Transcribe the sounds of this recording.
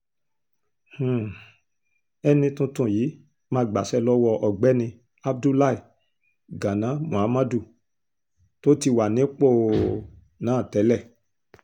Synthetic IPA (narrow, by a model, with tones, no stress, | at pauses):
h̩˨ | ɛ˧nĩ˧tũ˧˦tũ˧˨jiː˨˦ | mãː˧ɡ͡ba˨sɛ˧lɔ˦wɔ˧ʔɔ˨ɡ͡bɛ˨˦nĩ˧ | a˦b̚du˦la˦i˨ | ɡã˨nã˨˦mũ˨a˨˦mã˦du˦˨ | to˦ti˧wa˨nĩ˨˦k͡po˦˨ | nãː˨˦˨tɛ˨˦lɛ˦˨